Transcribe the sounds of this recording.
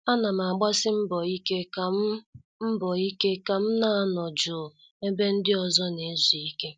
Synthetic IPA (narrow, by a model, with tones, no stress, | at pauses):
a˦na˨m˨a˨ɡ͡ba˦sɪ˦m̩˦bɔ˨i˦ke˦ka˨˦ | m̩˦bɔ˨i˦ke˦ka˨m̩˦na˨a˦˨nɔ˨d͡ʒʊ˨ | e˦be˦n̩˦dɪ˦ɔ˨zɔ˦ne˨˦zi˨i˦ke˦